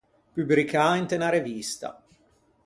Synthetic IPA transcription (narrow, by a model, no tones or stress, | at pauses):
pybɾikʰaint̪enaɾevist̪a̰